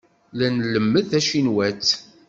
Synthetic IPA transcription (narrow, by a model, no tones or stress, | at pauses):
lænləmːəθæʃinwæt͡sː